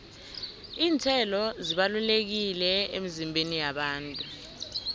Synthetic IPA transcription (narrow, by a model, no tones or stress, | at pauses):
iːntʰɛlɔziɓalulek̬ilɛḛmizimbʱenijaɓaːntʼu